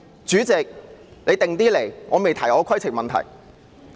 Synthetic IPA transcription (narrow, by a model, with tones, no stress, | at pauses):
t͡ʃyː˨˥t͡sɪ˨k̚le˨˧t̪ɪ˨ŋt̪iː˥le˨˩jŋɔː˨˧me˨jt̪ʰɐ˨˩jɔː˨˧˥kʰɐ˥jt͡sʰɪ˨k̚mɐ˨nt̪ʰɐ̰˨˩j